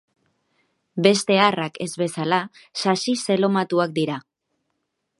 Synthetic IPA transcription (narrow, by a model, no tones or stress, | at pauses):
be̞st̪e̞arake̞zβe̞sala | sasise̞lo̞mat̪uak̚d̪iɾa